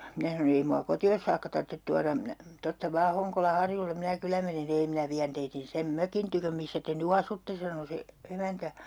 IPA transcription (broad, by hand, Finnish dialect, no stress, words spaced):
minæ sɑnon ei muɑ kotios sɑːkːɑ tɑrtːet tuɑrɑm minæ tostɑ ʋɑː hoŋkolɑ hɑrjulːem minæ kylæ menen si ei minæ ʋiæn teitin sem møkin tykøm misːæ te ny ɑsutːe sɑno se emæntæ